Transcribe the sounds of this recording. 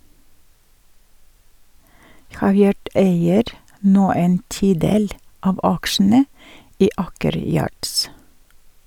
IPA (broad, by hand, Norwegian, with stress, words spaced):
ˈhɑːˌʋjɑːɖ ˈeɪəɾ ˈnoː ˈeːn ˈtiːˌdeːl ˈɑːʋ ˈɑkʃn̩ə ˈiː ˈɑːkəɾ ˈjɑːɖs